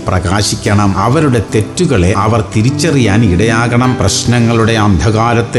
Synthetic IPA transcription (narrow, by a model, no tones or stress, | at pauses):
prɐɣaːɕikʲːɐɳɐmɐʋɐɾuɽe̞t̪e̞tːuɣɐɭe̞ɐʋɐrt̪iɾit͡ɕːɐrijaːniɽɐjaːɣɐɳɐmprɐɕnɐŋːɐɭuɽe̞ɐnd̪ʱɐɣaːɾɐt̪ːi